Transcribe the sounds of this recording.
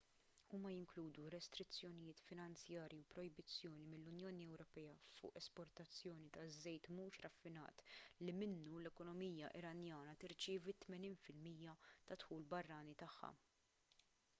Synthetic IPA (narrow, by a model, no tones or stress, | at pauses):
uːmɐjɪŋkluːd̪uɾɛst̪ɾɪt͡sːjɔnɪjɪːt̪fɪnɐnt͡sjɐːɾjiwpɾɔjbɪt͡sːjɔːnimɪlːʊnjɔːniɛwɾɔpɛːɐfʊ̰ːʔɛspɔɾt̪ɐt͡sːjɔːnit̪ɐzːɛjt̪muːʃɾɐfːɪnɐ̰ːt̪limɪnːulɛkɔnɔmiːjɐʔɪ̰ɾɐnjɐːnɐt̪ɪɾt͡ʃɪːvit̪ːmɛniːnfɪlmiːjɐt̪ɐt̪ħuːlbɐrːɐːnit̪ɐħːɐ̰